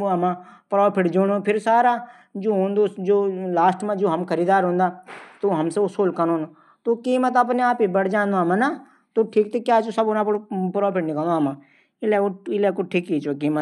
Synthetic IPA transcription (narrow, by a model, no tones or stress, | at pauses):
oɐmãːpɾɔːpʰɪʈd͡ʒoɽ̃õpʰɪɾsaːɾaː | d͡ʒoːɦõːnd̪oːd͡ʒoːlaːsʈmãd͡ʒoːɦɐmkʰəɾiːd̪aːɾɦõːnd̪aːt̪oɦɐmseʊsoːlkənoːn | t̪oːkiːmət̪ɐp̬neaːpibəɽd͡ʒãːnd̪omãnaː | t̪oːʈʰiːkt̪ekjaːt͡ʃosɐbʊnãpɽpɾɔːpʰɪʈnɪkəld̪oɦmãː | ɪlɛkoɪlɛːkoʈʰiːkkiːt͡ʃokiːmə